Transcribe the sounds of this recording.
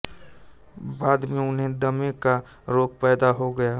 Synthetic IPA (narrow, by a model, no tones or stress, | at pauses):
baːd̪mẽʊnɦẽd̪əmẽka | ɾoːk̚pɛːd̪aɦoɡəja